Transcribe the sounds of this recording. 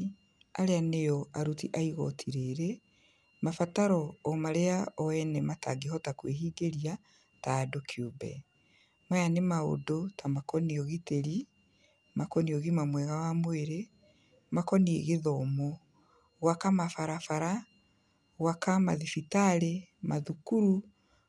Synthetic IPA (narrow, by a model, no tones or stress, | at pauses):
a̰ɾeanejɔaɾutiʔaiɣɔ̰tʰiɾeɾe | mafataɾɔːmaɾeaɔwɛnɛmata̰ɡeɦɔtakweɦiːɡeɾia | taːdokʰjobɛ̰ | majanemao̰dotamakɔniɔɣiteɾi | makɔniɔɣimamwɛɣawamweɾe | makɔniḛɣeðɔmɔ | wakamafaɾafaɾa | ɣwakama̰ðifitaɾemaðukuɾu